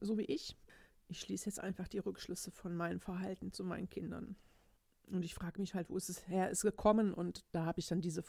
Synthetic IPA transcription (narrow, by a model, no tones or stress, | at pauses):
zoːviːʔɪçʔɪçʃliːsəjɛt͡stʔa̰ɪnfaχd̥iːʁʏkʃlʏsəfɔnmaɪnəmfɛɐɦaltn̩t͡sumaɪnənkʰɪndɐ̰n | ʔʊntɪçfʁ̥aːɡəmɪçhaltv̥o̰ːɪstɛsheːɐʔɪstɡ̥əkʰɔmənʔʊ̰ntd̥aːhaːbəɪçd̥andiːzə